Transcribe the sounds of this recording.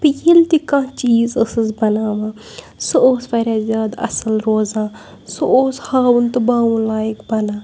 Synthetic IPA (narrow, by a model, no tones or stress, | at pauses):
pijilt̪ikãːt͡ʃiːzəsɨzbɐnaːʋãː | sooːspɐɾʲaːzʲjaːd̪ɐ̰sɐlɾoːzãː | sooːshaːwunt̪ɨbaːwũlaːjikbɐnãː